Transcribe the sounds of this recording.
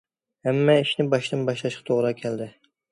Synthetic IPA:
hæmːɛiʃnɪbɑʃd̪ɨnbɑʃlˠɑʃqʰɑ̥t̪ʰoʁɾɑkʲʰæld̪ɪ

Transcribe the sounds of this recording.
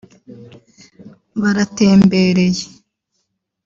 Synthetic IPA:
βaɾate̞ːmbe̞ɾe̞je

